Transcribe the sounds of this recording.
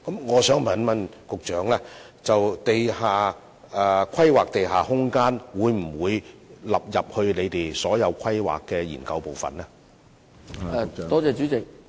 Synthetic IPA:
kɐ˨˦mŋɔː˨˧sœː˨˥ŋmɐ˨nmɐ˨nkʊ˨k̚t͡ʃœː˨˥ŋlɛː˥ | t͡sɐ˨wt̪e˨jhaː˨˩ | ɛ˧kʷʰɐ˥jwaː˨k̚t̪e˨jɦaː˨˩hʊ˥ŋkaː˥nwuː˨˧jm̩˨˩wuː˨˧jlɐ˨p̚jɐ˨p̚hɵ˧ɥle˨˧jt̪e˨˩jsɔː˨˥jɐ˨˧wkʰɐ˥jwa̰ː˨kːɛː˧jḭː˨˩nkɐ˧wpo˨wfɐ̰˨nlɛː˥ | ɛ˨˧t̪ɔː˥t͡sɛː˨˧t͡ʃyː˨˥t͡sɪ˨k̚

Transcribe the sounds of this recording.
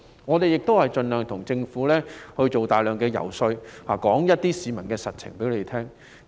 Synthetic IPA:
ŋɔː˨˧t̪e˨jɪ˨k̚t̪o˥whɐ˨jt͡ʃɵ˧nlœː˨˩ŋt̪ʰʊ˨˩ŋt͡sɪ˧ŋfuː˨˥lɛː˥hɵ˧ɥt͡ʃo˨wt̪aː˨jlœː˨˩ŋkɛː˧jɐ̰˨˩wsɵ˧ɥhaː˨kɔː˨˥ŋjɐ˥t̚t̪iː˥siː˨˧mɐ˨˩nkɛː˧sɐ˨t̚t͡sʰɪ̰˨˩ŋpe˨˥jle˨˩t̪ʰɛː˥ŋ

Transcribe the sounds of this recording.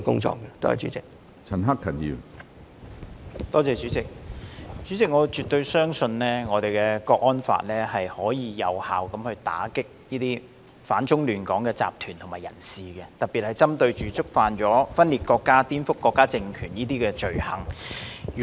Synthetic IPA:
kʊ̰˥ŋt͡ʃɔ̰ː˧kkɛ˧t̪o˥ɐ̰˨t͡ʃy˨˥t͡sɪ˨k̚ | t͡sʰɐ˨˩nɦɐ˥k̚ʰːɐ˨˩njḭ˧w | t̪ɔː˥t͡sɛː˨˧t͡ʃyː˨˥t͡sɪ˨k̚t͡ʃyː˨˥t͡sɪ˨k̚ŋɔː˨˧t͡ʃy˨t̚t̪ɵ˧ɥsœː˥ŋsɵ˧nlɛː˥ŋɔː˨˧t̪e˨˩jkɛː˧kɔː˧k̚ʔɔː˥nfa̰ː˧t̚lɛː˥hɐ˨jhɔː˨˥jiː˨˧jɐ˨˧wha̰ː˨˩wkɐ˨˥mhɵ˧ɥt̪a̰ː˨˥kɪ˥k̚jiː˥t̪iː˥ | faː˨˥nt͡sʊ˥ŋlyː˨nkɔ̰ː˨˥ŋkɛː˧t͡sa̰ː˨p̚t̪ʰyː˨˩nt̪ʰʊ˨ŋmaː˨˩jɐ̰˨˩nsiː˨kɛ˧t̪ɐ˨t̚pi˨hɐ˨jt͡sɐ˥mt̪ɵ˧ɥt͡ʃyː˨˥t͡sʊ˥k̚faː˧nt͡ʃɔː˨˥fɐ˥nliː˨t̚kɔː˧kːaː˥t̪iː˥nfʊ˥kːɔː˧kːaː˥t͡sɪ˧ŋkʰyː˨˩njiː˥t̪iː˥kɛː˧t͡ʃɵ˨ɥhɐ˨˩ŋː˨

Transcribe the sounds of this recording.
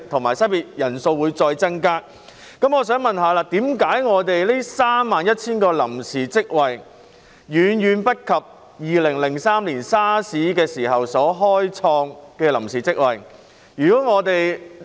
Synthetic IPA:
t̪ʰʊ˨˩ŋmaː˨˩jsɐ˥piː˨t̚jɐ˨˩nso˧wwu˨˧jt͡sɔː˧jt͡sɐ˥ŋkaː˥ | kɐ˨˥mŋɔː˨˧sœː˨˥ŋmɐ˨nɦaː˨˧laː˧t̪iː˨˥mkaː˨˥jŋɔː˨˧t̪e˨jliː˥saː˥mːaː˨njɐ˥t̚t͡sʰiː˥nkɔː˧lɐ̰˨˩msiː˨˩t͡sɪ˥k̚wɐ˨j | jyː˨˧njyː˨˧npɐ˥t̚kʰɐ˨p̚ | jiː˨lɪ˨˩ŋlɪ˨˩ŋsaː˥mliː˨˩nsaː˥siː˨˥kɛː˧siː˨˩hɐ˨wsɔː˨˥ɦɔː˥jt͡sʰɔː˧ŋkɛː˧lɐ˨˩msiː˨t͡sɪ˥k̚wɐ˨j | jyː˨˩kɔː˨˥ŋɔː˨˧t̪e˨j

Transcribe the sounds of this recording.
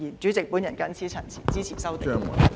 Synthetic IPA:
jiː˨˩nt͡ʃy˨˥t͡sɪ˨k̚puː˨˥njɐ˨˩nkɐ˥nt͡sʰiː˥t͡sʰɐ˨˩nt͡sʰiː˨˩t͡siː˥t͡sʰiː˨˩sɐ˥wt̪ːŋɐ̰˨˩

